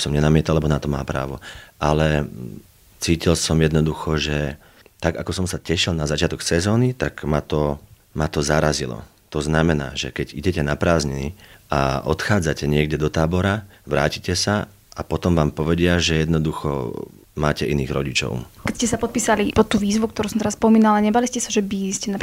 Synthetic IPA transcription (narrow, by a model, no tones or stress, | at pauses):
sɔmɲɛnamɪɛt̪alɛbɔnat̪ɔmaːpɾa̰ːʋɔʔalɛ | t͡siːcilsɔmjɛd̪nɔd̪uxɔʒɛ | t̪aɡakɔsɔmsacɛʃilnazat͡ʃɪat̪ɔksɛzɔːnit̪aɡmat̪ɔ | mat̪ɔzaɾazilɔ̰ | t̪ɔznamɛna̰ːʒɛkɛɟiɟɛcɛnapɾaːzɲɛnḭa̰ɔt̪xaːd͡zacɛɲɪɛɡɟɛd̪ɔt̪aːbɔɾa | ʋɾa̰ːcicɛsa | apɔt̪ɔmʋaːmpɔʋɛɟɪaʒɛjɛd̪nɔd̪uxɔ̰ | maːcɛʔiniːɣɾɔɟit͡ʃɔ̰ʊkɛscɛsapɔt̪̚piːsalipɔt̪t̪ːuːʋiːzʋuk̚t̪ɔɾusɔmt̪ɛɾaspɔmiːnalalaɲɛbaliscɛsaʒɛbiscɛnap